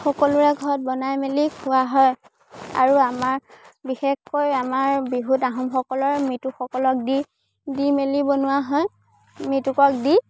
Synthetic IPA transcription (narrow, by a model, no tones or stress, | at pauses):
xɔkɔlʊɹɛɡʱɔɹɔt̚bɔnajmelikʰʊaɦɔj | a̰ɹuamaɹbixexkojamaɹbiɦutaɦɔmxɔkɔlɔɹmituxɔkɔlɔk̚di | dimelibɔnʊwaɦɔj | mitukɔk̚di